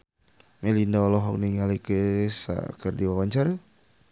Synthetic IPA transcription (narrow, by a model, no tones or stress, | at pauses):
melindaɔlɔɦɔk̚niŋalikəsa̰kərdiwawaɲt͡ʃaɾa